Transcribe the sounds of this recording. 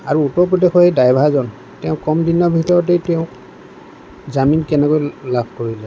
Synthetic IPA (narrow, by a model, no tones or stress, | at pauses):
a̰ɹuutɔɹpɹɔdexɔedajbʱaazɔn | tɛʊ̃kɔmdinɔɹbʱitɔɹɔt̬ejtɛʊ̃k | zaminkɛnɛkojlabʱkoɹilɛ